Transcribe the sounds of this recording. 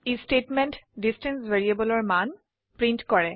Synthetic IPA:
estetmɛntdistɛ̃nsveɹiabɔlɔɹman | pɹintkɔɹɛ

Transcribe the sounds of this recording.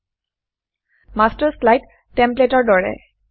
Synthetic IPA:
mastəɹslajtː | ɛmpletɔɹdɔɹɛ̰

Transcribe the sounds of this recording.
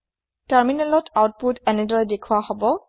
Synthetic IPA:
taɹminɛlɔtawt̚putɛnɛdɔɹɛdekʰuahɔbɔ

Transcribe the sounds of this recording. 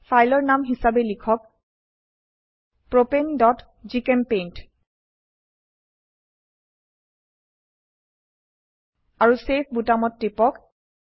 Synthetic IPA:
pʰajlɔɹnamɦisabɛlikʰɔk̚ | pɹopendɔt | zikɛmpent | aɹusepʰbutamɔtːipɔk

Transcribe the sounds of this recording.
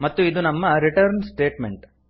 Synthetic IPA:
mɐt̪ːuid̪unɐmːɐɾiʈɐɾnsʈe̞ːʈmeɳʈ

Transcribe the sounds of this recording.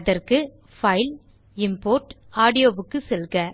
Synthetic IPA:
ðɐɾkɯ | fɐɪl | ɪmpoːɾʈ | aːɽɪjoːbɯkːɯsɛlɣɐ

